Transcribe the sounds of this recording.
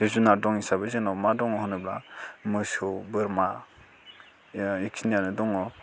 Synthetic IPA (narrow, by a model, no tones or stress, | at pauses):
esunadɔŋisabɯzenɔmadɔŋɔɦɯnɯblamɯsobɯɾma | ikʰinijanɯdɔŋɔ